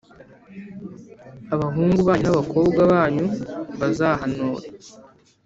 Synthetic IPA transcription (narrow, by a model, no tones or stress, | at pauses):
aβaɦuːŋɡuβaːɲunaβako̞ːbɡwaβaːɲuβazaɦanoːɾe